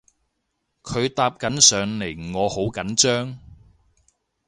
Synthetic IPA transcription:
kʰɵ˨˧ɥt̪aː˧p̚kɐ˨˥nsœː˨ŋle˨˩jŋɔː˨˧ho˨˥wkɐ˨˥nt͡ʃœː˥ŋ

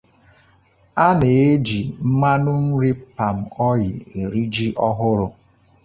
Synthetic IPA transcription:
a˦ne˨e˦d͡ʒi˨m̩˦ma˦nʊ˦n̩˦ɾi˦pa˨m̩˨ɔ˦jɪ˨e˨ɾi˦d͡ʒi˦ʔɔ˦ɦʊ˦ɾʊ˦

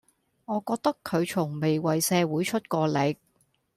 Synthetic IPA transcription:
ŋɔː˨˧kɔː˧k̚t̪ɐ˥kʰːɵ˨˧ɥt͡sʰʊ˨˩ŋme˨˩jwɐ˨˩jsɛː˧wuː˨˥jt͡ʃʰɵ˥t̚kɔː˧lɪ˨˧k̚

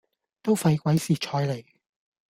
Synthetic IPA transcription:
t̪o˥wfɐ˧jkʷwɐ˨˥jsiː˨˩t͡ʃʰɔː˧jle˨˩j

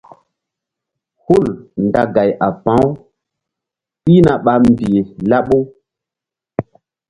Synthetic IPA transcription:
hu˦˨lnda˨ɡa˨jʔa˨pã˨˦w | ɓi˦na˨ɓa˨m˨bi˨e˨la˦ɓo˦

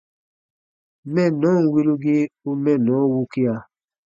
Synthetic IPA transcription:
mɛ˦˨nɔ̃˨˦ŋ̩˨wi˦lu˦ɡi˦u˧mɛ̃˦˨nɔ̃˨˦wu˦ki˦a˨˧

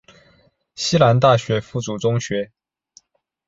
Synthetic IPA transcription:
ɕi˥la˧˥nt̪̬a˥˩ɕɥɛ˧˥fu˥˩t͡su˨˩ʈ͡ʂʊ˥ŋɕɥɛ˧˥

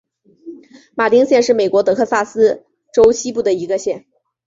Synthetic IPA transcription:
ma˨˩t̪i˥ŋɕjɛ˥˧nʂɻ̩˥˩me˨˩ɪkwɔ˧˥t̪̬ɤ˧˥kʰɤ˥˧sa˥˩sɹ̩˥ | ʈ͡ʂo˥ʊɕʰi˥pu˥˩d̪ə˩i˧˥ɡə˧ɕjɛ˥˩n

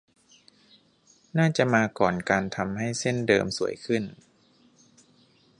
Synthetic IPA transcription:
naː˥˩t͡ɕa˨˩ʔmaː˧kɔː˨˩nkaː˧nt̪ʰa˧mha˥˩jse˥˩ndɤː˧msu˩˦əjkʰɯ˥˩n

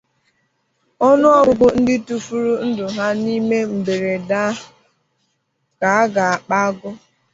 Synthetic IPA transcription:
ɔ˦nʊ˦ɔ˦ʊ˦ɡʊ˦n̩˦dɪ˦tu˦fu˦ɾu˦n̩˦dʊ˨ɦa˦ni˦me˦m̩˨be˨ɾe˨da˦˨ | ka˨a˦ɡa˨a˨k͡pa˦ɡʊ˦

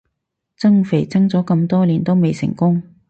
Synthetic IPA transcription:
t͡sɐ˥ŋfe˨˩jt͡sɐ˥ŋt͡sɔː˨˥kɐ˧mt̪ɔː˥liː˨˩nt̪o˥wme˨˧jsɪ̰˨˩ŋkʊ˥ŋ

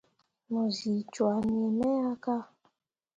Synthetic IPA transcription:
nɔ˨zi˨t͡ʃwa˨n˨e˨mɛ˦a˦ka˦

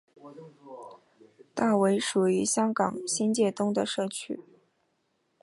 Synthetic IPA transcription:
t̪a˥˩we˧˥ɪʂu˨˩y˧˥ɕjɑ˥ŋkɑ˨˩ŋɕi˥nt͡ɕjɛ˥˩t̪ʊ˥ŋd̪ə˨ʂɤ˥˩t͡ɕʰy̰˥

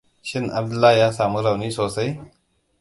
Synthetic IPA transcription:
ɕɪ˦nɐ̰˨b̚d̪u˦laː˦ja˦saː˨mu˦ɾa˨wni˦soː˨sɐ˦j

